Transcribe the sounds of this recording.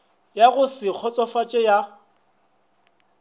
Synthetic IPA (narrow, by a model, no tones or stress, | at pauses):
jaɣʊsɪk͡xʰɔt͡sʼɔfat͡ʃʼɛja